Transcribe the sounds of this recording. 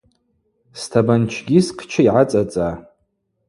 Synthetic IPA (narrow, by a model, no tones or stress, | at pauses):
stʰabant͡ʃʰɡʲisqʰt͡ʃʰaiʕat͡sʼat͡sʼa